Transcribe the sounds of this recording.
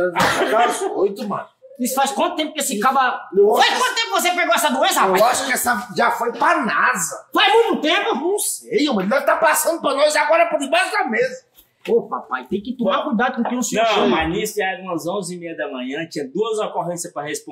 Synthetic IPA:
aʃũjt̪ʊmɐ̰̃ | isfajskõt̪ʊ̥t̪ẽmpʊkesɪkabɐ̃fajskõt̪ʊt̪ẽpʊkɪvos̬epeɾɡõɛsɐad̪uẽs̬ɐaajaʃʊkɛsɐʒafojpanazɐfajzmũj̃t̪ʊt̪ẽpʊũsejõmeld̪ɐ̃t̪apasɐ̃nd̪ʊpɾɐnojzaɡɔɾɐpobaʃʊd̪ɐmezɐ | popa̰pa̰jt̪ẽj̃kɪt̪ũmakud̪ad̪ʊkõkẽsĩnɐ̃w̃manisaɾũɐzõzimejɐd̪ɐmɐ̃ɲɐ̃t͡ʃĩɐ̃d̪uɐzɔkoɦẽsjɐspɾɐhesp

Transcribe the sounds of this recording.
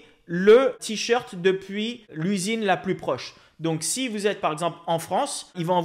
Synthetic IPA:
lət̪ʰiʃœʁt̪d̪əpɥilyzinlaplypχɔʃ | d̪ɔ̃ksivuzɛt̪̚paʁɛɡzɑ̃plɑ̃fχɑ̃silvãɑ̃

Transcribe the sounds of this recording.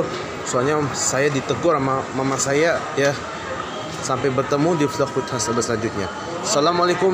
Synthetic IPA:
sualɲasajadit̪əɡɔɾamamamasaja | ja | sampajbərt̪əmudiflɔkfut̪hasadasəlaɲd͡ʒʊt̪̚ɲa | salamalakʊ

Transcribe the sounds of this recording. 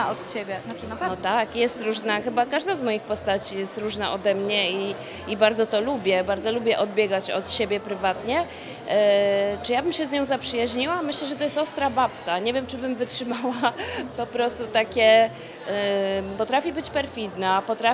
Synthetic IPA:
aɔt̪ɕebʲjɛannɔt̪akjɛst̪ɾuʐnaxɘbakaʐd̪azmɔjixpɔst̪at͡ɕijɛst̪ɾuʐna̰ʔɔd̪ɛmɲɛi | ibaɾd̪ɔt̪ɔlubʲjɛbaɾd̪zɔlubʲjɛʔɔd̪̚bʲjɛɡat͡ɕɔ̰t̪ɕebʲjɛpɾɘvat̪ɲɛ | t͡ʂɘjabɘmɕɛzɲɔ̃w̃zapʂɘjaʑɲiwamɘɕlɛʐɛt̪ɔjɛst̪ɔst̪ɾabapt̪aɲɛvʲjɛmt͡ʂɘbɘmvɘtʂɘmawapɔpɾɔst̪ut̪akʲɛ | pɔt̪ɾafʲibɘt͡ɕpɛɾfʲid̪napɔt̪ɾa

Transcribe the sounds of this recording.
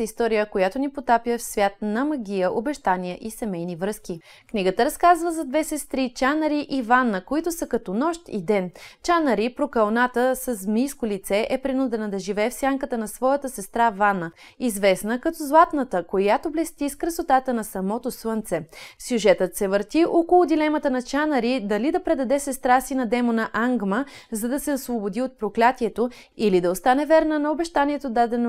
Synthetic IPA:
ist̪ɔɾijəkojat̪onipot̪apjəfsvʲjat̪̚nɐmɐɡʲijəʔobɛʃt̪anijəʔisɛmɛjnivɾɤskʲi | kniɡət̪əɾɐskazvəzɐd̪vɛsɛst̪ɾit͡ʃanəɾiʔivanːəkoit̪ʊsəkɐt̪ɔnɔʃt̪ḭd̪ɛnt͡ʃanəɾipɾokɐlˠnat̪əsəsmiskʊlit̪sɛʔɛpɾinud̪ɛnɐd̪ɐʒivɛːfsʲjaŋkət̪ənɐsvɔjət̪əsɛst̪ɾavanːə | izvɛsnəkɐt̪ɔzlˠat̪nət̪əkojat̪oblɛst̪iskɾəsot̪at̪ənɐsɐmɔt̪oswɤnt̪sɛsʲjuʒɛt̪ət̪sɛvəɾt̪iʔɔkolˠʊd̪ilɛmət̪ənɐt͡ʃanəɾid̪ɐlid̪ɐpɾɛd̪ɐd̪ɛsɛst̪ɾasinɐd̪ɛmonɐʔaŋɡməzɐd̪ɐsɛosvobod̪iot̪̚pɾoklʲat̪iɛt̪o | ilid̪ɐost̪anɛvɛɾnənɐobɛʃt̪anʲiɛt̪od̪ad̪ɛno

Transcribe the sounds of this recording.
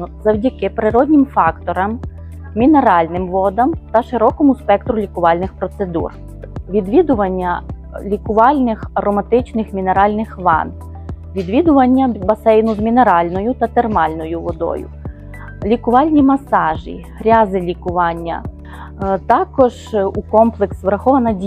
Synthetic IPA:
zɐwdʲɐkɪpɾɪɾɔdʲnʲɪmfɑkt̪ɔɾɐm | mʲineɾɑlʲnɪmʋɔd̪ɐmt̪ɐʃɪɾɔkɔmʊspɛkt̪ɾʊlʲikʊʋɑlʲnɪxpɾɔt̪sed̪ṵr | ʋʲid̪ʋʲid̪ʊʋɐnʲːɐ | lʲikʊʋɑlʲnɪxɐɾɔmɐt̪ɪt͡ʃnɪxmʲineɾɑlʲnɪxʋɑ̰n | ʋʲid̪ʋʲid̪ʊʋɐnʲːɐbɐsɛjnʊzmʲineɾɑlʲnɔjʊt̪ɐt̪ermɑlʲnɔjʊʋɔd̪ɔ̰jʊ̰ | lʲikʊʋɑlʲnʲimɐsɑʒḭɦɾʲɑzɪlʲikʊʋɑnʲːɐ̰ | t̪ɑkɔʒ | ukɔmplˠɪksʋɾɐxɔʋɐnɐdʲ

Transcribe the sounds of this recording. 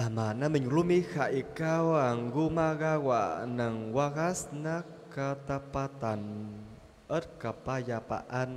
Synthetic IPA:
amanaməɲɾumixaʔikawaŋɡumaɡawa̰nəŋwaɣasna | kat̪apat̪an | ətkapajapa̰ʔan

